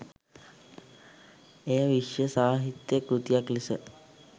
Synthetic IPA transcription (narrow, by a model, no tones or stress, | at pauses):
ejaʋiʂjəsaːɦit̪jəkɾut̪ijaklisə